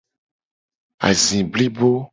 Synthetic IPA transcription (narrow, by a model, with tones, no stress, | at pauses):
a̰˨zĩ˨bli˦bo˦